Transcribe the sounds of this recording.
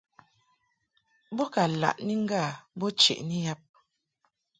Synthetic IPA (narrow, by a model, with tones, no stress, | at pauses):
bɔ˦ka˨la̰˨ʔni˦ŋ̩˦ɡa˦˨bɔ˦t͡ʃḛ˨ʔni˦ja˦p̚